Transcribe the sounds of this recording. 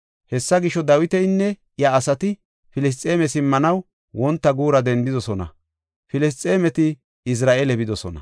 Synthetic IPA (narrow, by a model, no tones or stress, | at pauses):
hɛsːɐɡɪʃɔd̪ɐwɪt̪ɛjnːɛ | jɐːsɐt̪ɪ | fɪlɪs̬t̪ʼːeːmɛsɪmːɐnɐw | wɔnt̪ːɐɡuːɾɐd̪ɛnd̪ɪd̪ɔsɔnɐ̰ | fɪlɪs̬t̪ʼːeːmɛt̪ɪ | ɪs̬ɾaːʔelɛbɪd̪ɔsɔ̰nɐ̰